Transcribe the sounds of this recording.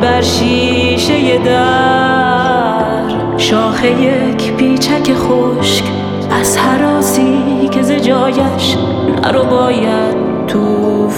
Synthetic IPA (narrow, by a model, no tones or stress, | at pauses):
bæɾʃiː | ʃejed̪æ | ɾ | ʃɒːxeje | kʰpiːt͡ʃʰækʰeχo | ʃk | æz̥hæɾɒːsiː | kʲʰezed͡ʒɒːjæʃ | a̰ɾobɒːja | d̪ | t̪ʰːuːf